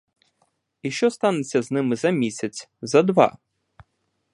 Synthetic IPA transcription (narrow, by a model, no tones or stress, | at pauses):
iʃt͡ʃɔst̪ɑnet͡sʲːɐznɪmɪzɐmʲisʲɐt͡sʲzɐd̪ʋɑ̰